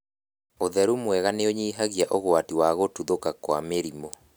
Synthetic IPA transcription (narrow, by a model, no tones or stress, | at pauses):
oðɛɾumwɛɣaneoɲiːɦaɣjaʔoɣoatiwaɣotuðokakwa̰meɾimo